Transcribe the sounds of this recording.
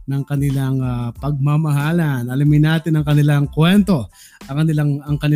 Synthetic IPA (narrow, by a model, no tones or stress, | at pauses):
nɐŋkɐnɪlaŋapɐɡ̚mamɐɦaːlɐnʔɐlɪmɪnaːt̪ɪnɐŋkɐnɪlaŋkwɛnt̪o̞ | ʔɐŋkɐnɪlaŋɐŋkɐnɪ